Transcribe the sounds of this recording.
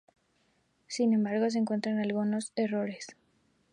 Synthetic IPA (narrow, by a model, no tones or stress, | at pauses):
sine̞mbaɾɣo̞s̬eːŋkwe̞nt̪ɾanalɣuno̞se̞ro̞ɾe̞s